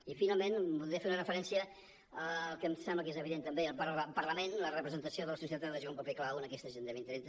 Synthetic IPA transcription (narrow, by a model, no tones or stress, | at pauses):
ifinalˠmenbuðɾifeɾunərəfəɾɛnsiə | əlˠkəmsɛmbləkezəβiðent̪əmbeəlˠpəɾˠpəɾləmenlərəpɾəzənt̪əsioðələsus̬iət̪at̪aðəʒompəpeklawənəkɛst̪əʒend̪əβint̪əɾe